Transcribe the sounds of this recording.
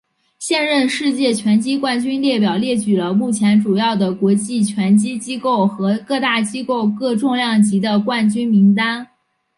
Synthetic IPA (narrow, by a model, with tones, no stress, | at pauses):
ɕjɛ˥˧nɻə˥˧nʂɻ̩˥˧t͡ɕjɛ˥˩t͡ɕʰɥɛ˧˥nt͡ɕi˥kwa˥˩nt͡ɕy˥nljɛ˥˩pjɑ˨˩ʊljɛ˥˩t͡ɕy˨˩lə˦mu˥˩t͡ɕʰjɛ˧˥nʈ͡ʂu˨˩jɑ˥˩ʊd̪ə˩kwɔ˧˥t͡ɕi˥˩t͡ɕʰɥɛ˧˥nt͡ɕi˥t͡ɕi˥ko˥˩ʊxɤ˧˥kɤ˥˧t̪a˥˩t͡ɕi˥ko˥˧ʊkɤ˥˧ʈ͡ʂʊ˥˧ŋljɑ˥˩ŋt͡ɕi˧˥d̪ə˧kwa˥˩nt͡ɕy˥nmi˧˥ŋt̪a˥n